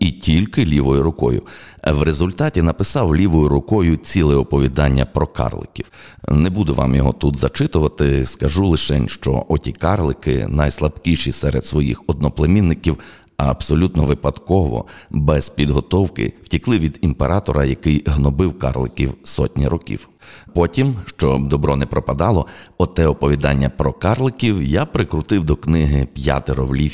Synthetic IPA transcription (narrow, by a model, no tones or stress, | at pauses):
itʲilʲkɪlʲiʋɔjʊɾʊkɔjʊ̰wɾezʊlʲt̪ɑtʲinɐpɪsɑwlʲiʋɔjʊɾʊkɔjʊt͡sʲilˠɪɔpɔʋʲid̪ɑnʲːɐpɾɔkɑ̰rlˠɪ̰kʲiw | nɛbud̪ʊʋɑ̰mjɔɦɔ̰t̪ut̪zɐt͡ʃɪt̪ʊʋɐt̪ɪskɐʒulˠɪʃɛnʲʃt͡ʃɔ̰ʔɔtʲikɑrlˠɪkɪ̰nɐjslˠɐbkʲiʃisɛɾed̪sʋɔjḭxɔd̪̚nɔplˠemʲinːɪkʲiw | ɐɐb̥sɔlʲut̪nɔʋɪpɐd̪kɔʋɔ̰bɛzpʲid̪ɦɔt̪ɔwkɪ̰w̥tʲiklˠɪʋʲid̪impeɾʔɑt̪ɔɾɐjɐkɪjɦnɔbɪwkɑ̰rlˠɪkʲiwsɔtʲnʲḭɾɔkʲḭw | pɔtʲimʃt͡ʃɔd̪ɔbɾɔnɛpɾɔpɐd̪ɑlˠɔɔt̪ɛɔpɔʋʲid̪ɑnʲːɐpɾɔkɑrlˠɪkʲiwjapɾɪkɾʊt̪ɪwd̪ɔknɪɦɪpʲja̰t̪ɪɾɔʋlʲi